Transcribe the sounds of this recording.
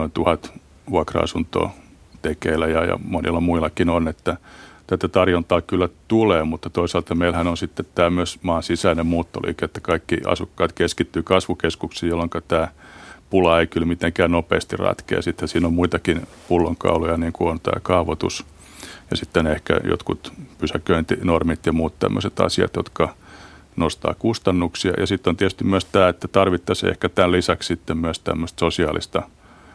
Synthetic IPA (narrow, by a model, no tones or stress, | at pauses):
noint̪uhɑt̪ | uɑkrɑ̰ɑ̰sunt̪o̰ː | t̪ekeːlæjɑjɑ̰monḭlːɑmuilːˑɑkinonet̪ːæt̪æt̪æt̪ɑrjont̪ɑːkylːæt̪uleːmut̪ːɑt̪oisɑlt̪ɑmeilhænonsit̪ːet̪t̪æːmyøsmɑːnsisæinemmuːt̪ːo̰lḭːket̪ːæ̥kɑikːiɑ̰sukːɑːt̪keskit̪ːyːkɑsʋukeskuksijolːoŋkɑt̪æːpulɑeikylmit̪eŋkæːnnopḛːst̪irɑ̰t̪kḛːsit̪hæsiːnommuit̪ɑkin | pulːoŋkɑ̰ulojɑniːŋkuont̪æ̰ːkɑuʋot̪ṵs | jɑsit̪ːenehkæ̰jo̰t̪kut̪pysækøint̪inormit̪jɑmuːt̪t̪æ̰mːø̰set̪ɑ̰siɑ̰t̪jo̰t̪kɑ | nost̪ɑ̰ːkust̪ɑnːuksiɑ̰jʔɑsit̪ːont̪iæt̪yst̪ymyøst̪æːet̪ːæt̪ɑrʋit̪ːɑsḛhkæt̪ællisɑkssit̪ːemmyæst̪æ̰mːøst̪sosiɑːlḭst̪ɑ